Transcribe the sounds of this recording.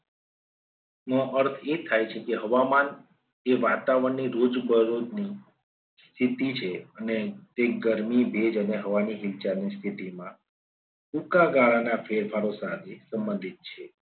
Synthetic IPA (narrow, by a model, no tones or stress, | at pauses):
məʔəɾt̪ʰet̪ʰajt͡ʃʰekeɦəʋaman | eʋat̪aʋəɳnːiɾod͡ʒbəɾod̪ni | st̪ʰit̪it͡ʃʰeənet̪eɡəɾmibʱed͡ʒəneɦəʋaniɦilt͡ʃanist̪ʰit̪imã | ukaɡaɭanafʰeɾfʰaɾosãdesəmbənd̪ʱit̪̚t͡ʃʰe